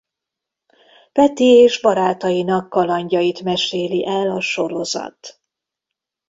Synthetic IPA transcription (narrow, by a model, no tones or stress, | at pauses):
pɛt̪ieːʒbɒɾaːt̪ɒjinɒkːɒlɒɲɟɒjit̪mɛʃeːliʔɛlɒʃo̞ɾo̞zɒ̰t̪